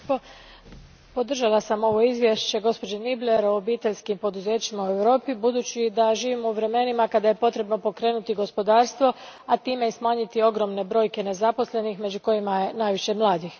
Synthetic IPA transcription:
po̞d̪r̩ʒalasamo̞ʋo̞izʋjeʃt͡ɕe̞ɡo̞spo̞d͡ʑenible̞ɾoːbiːt̪eʎʲskimpo̞d̪uze̞ːt͡ɕimaue̞ʋɾo̞ːpibud̪uːt͡ɕid̪aʒiːʋimouʋɾe̞me̞nimakad̪aje̞po̞t̪ɾe̞bno̞po̞kɾe̞ːnut̪iɡo̞spo̞d̪aːɾst̪ʋo̞at̪iːmejsmaːɲit̪io̞ɡɾo̞mne̞bɾo̞ːjke̞ne̞zapo̞sle̞nixme̞d͡ʑuko̞jimaje̞naːjʋiʃe̞mlˠaːd̪ix

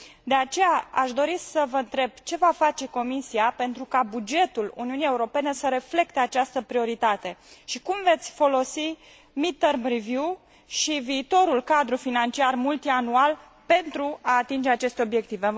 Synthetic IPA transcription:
d̪e̞at͡ʃe̞jaaʃd̪o̞ɾisəvəɨnt̪ɾe̞b̥̚t͡ʃe̞vafat͡ʃe̞ko̞misiape̞nt̪ɾukabud͡ʒe̞t̪ulṵniunije̞uɾo̞pe̞ne̞səɾe̞fle̞kt̪e̞at͡ʃast̪əpɾio̞ɾit̪at̪e̞ʃikumve̞t̪sʲfo̞lo̞si | mit̪ːərmrivju | ʃiviːt̪o̞ɾulkad̪ɾufinant͡ʃiarmult̪ianual | pe̞nt̪ɾuaːt̪ind͡ʒe̞at͡ʃe̞st̪eo̞bje̞k̚t̪ive

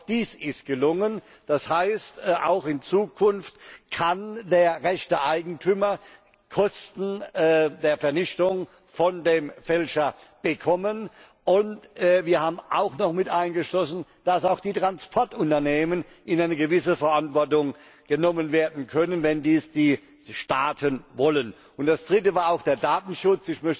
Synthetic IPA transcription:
d̥iːsɪst̚ɡ̥əlʊŋən | d̥ashaɪstʔa̰ʊxɪnt͡suːkʰʊnftkʰandeːɐʁɛçtəʔaɪɡŋ̩tʰyːmɐ | kʰɔstn̩ːdeːɐfɛɐnɪçtʊŋ | fɔndeːmfɛlʃɐ | b̥əkʰɔmən | ʔʊntːviːɐhaːbm̩ʔaʊxnɔχmɪtʔaɪnɡəʃlɔsn̩ | d̥asaʊxd̥iːtʁ̥anspʰɔɐtʊntɐneːmən | ɪnaɪnəɡəvɪsəfɛɐʔantv̥ɔɐtʊŋ | ɡ̥ənɔmənveːɐdn̩kʰœnənvɛndiːsd̥iː | ʃtaːtʰənvɔlən | ʊntd̥asd̥ʁɪtəvaːɐaʊxd̥eːɐdaːtn̩ʃʊt͡sɪçmœçtə

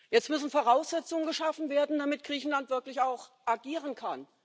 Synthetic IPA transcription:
jɛt͡stmʏsn̩foːʁaʊsz̥ɛt͡sʊŋənɡəʃafn̩veːɐdn̩d̥amɪt̚ɡ̥ʁiːçn̩lantv̥ɪɐklɪçaʊxʔaɡiːʁənkʰan

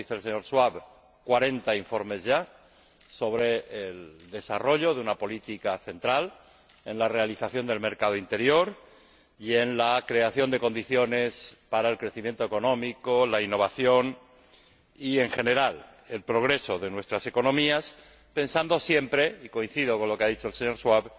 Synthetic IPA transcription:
iθels̬eɲo̞ɾswaβ | kwaɾe̞nt̪aiɱfo̞ɾme̞zʝa | so̞βɾe̞eld̪e̞saro̞ʎo̞ðeunapo̞lit̪ikaθe̞nt̪ɾal | e̞nlare̞aliθaθjo̞nd̪e̞lme̞ɾkað̞oint̪e̞ɾjo̞ɾ | ie̞nlakɾe̞aθjo̞nd̪e̞ko̞nd̪iθjo̞ne̞spaɾae̞lkɾe̞θimje̞nt̪o̞eko̞nõ̞miko̞lainːo̞β̞aθjo̞n | ie̞ŋxe̞ne̞ɾal | e̞lpɾo̞ɣɾe̞so̞ðe̞nwe̞st̪ɾase̞ko̞nõ̞mias | pẽ̞nsand̪o̞sje̞mpɾe̞iko̞in̟θið̞o̞konlo̞keaðit͡ʃo̞else̞ɲo̞ɾswaβ

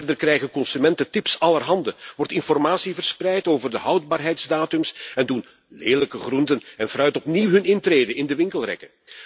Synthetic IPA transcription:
rdərkrɛjɣənkɔnsymɛntətɪpsɑlərɦɑndəʋɔrtɪnfɔrmaːsivərsprɛjtoːvərdəɦɑwd̚baːrɦɛjtzdaːtɵmsɛndun | leːləkəχruntənɛnfrœɥtɔpniwɦɵnɪntreːdəɪndəʋɪŋkəlˠrɛ̰kə

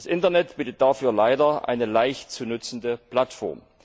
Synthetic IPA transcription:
sʔɪntɐnɛtb̥iːtət̚d̥aːfyːɐlaɪdɐʔa̰ɪnəlaɪçtt͡suːnʏt͡sn̩dəpl̥atfɔ̰ɐm

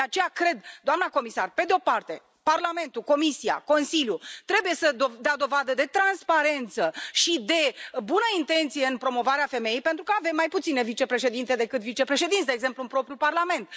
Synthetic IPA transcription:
d̪eat͡ʃe̞jakɾe̞d̪d̪oamnako̞misarpe̞d̪eo̞part̪e̞ | parlame̞nt̪uko̞misija̰ko̞nsiljut̪ɾe̞buje̞səod̪ead̪o̞vad̪əd̪e̞t̪ɾanspaɾe̞nt̪səʃid̪e̞bunəint̪e̞nt̪sije̞ɨnpɾo̞mo̞vaɾeafe̞mejejpe̞nt̪ɾukəave̞mːajput̪sine̞vit͡ʃe̞pɾeʃe̞d̪int̪e̞d̪e̞kɨt̪vit͡ʃe̞pɾe̞ʃe̞d̪int̪sd̪eːɡze̞mpluɨnpɾo̞pɾjuparlame̞nt̪̚

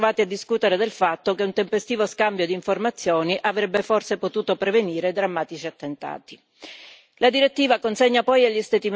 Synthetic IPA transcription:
vaːt̪iad̪ːiskuːt̪eɾed̪elfat̪ːokeunt̪empest̪iːvoskambjod̪iːɱformat̪sːjɔːniʔavɾɛbːeforsepot̪uːt̪opɾeveniːɾed̪ɾamːaːt̪it͡ʃiat̪ːent̪a̰ːt̪i̥ | lad̪iɾet̪ːiːvakonseɲːapɔjaʎːist̪ɛt̪im

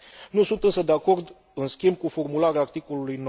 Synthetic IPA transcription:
nusunt̪ɨnsəd̪eako̞rd̪ | ɨnskʲimb̚kufo̞rmulaɾeaːrt̪iko̞lulujn

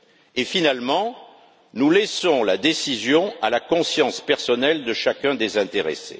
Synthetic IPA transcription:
efinalmɑ̃ | nulɛsɔ̃lad̪esizjɔ̃alakɔ̃sjɑ̃spɛʁsɔnɛld̪əʃakɛ̃d̪ezɛ̃t̪eʁḛsḛ

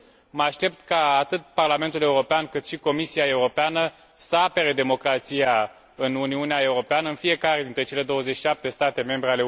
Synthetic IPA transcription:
məaʃt̪e̞p̚t̪kaːt̪ɨt̪̚parlame̞nt̪ule̞uɾo̞peankɨt̪ʃiko̞misiae̞uɾo̞peanə | səape̞ɾed̪e̞mo̞kɾat̪sija | ɨnuniuneae̞uɾo̞peanəɨnfie̞kaɾed̪int̪ɾe̞t͡ʃe̞le̞d̪o̞wəzet͡ʃʃiʃap̚t̪e̞st̪at̪e̞me̞mbɾeale

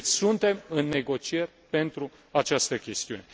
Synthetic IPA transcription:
sunt̪e̞mɨnːe̞ɡo̞t͡ʃie̞rʲpe̞nt̪ɾu | at͡ʃast̪əkʲe̞st̪iṵne

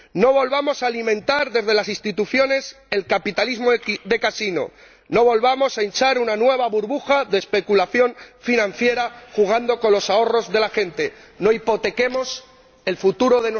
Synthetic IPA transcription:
no̞β̞o̞lβamo̞salimẽ̞nt̪aɾðe̞zðe̞lasist̪it̪uθjo̞ne̞s | e̞lkapit̪alizmo̞ðe̞kasino̞̰ | no̞βo̞lβamo̞saent͡ʃaɾunanwe̞β̞aβuɾβuxaðespe̞kulaθjo̞ɱfinãnθje̞ɾaxuɣ̞and̪o̞ko̞nlo̞sao̞ro̞zðe̞laxe̞nt̪e̞ | no̞ipo̞t̪e̞ke̞mo̞s | e̞lfut̪uɾo̞ðen

